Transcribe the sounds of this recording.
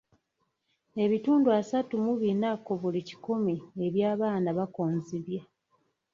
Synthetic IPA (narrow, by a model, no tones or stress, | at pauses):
e̞βituːnduasatumuβinako̞βulici̥kumie̞βjaːβaːnaβakoːnziβja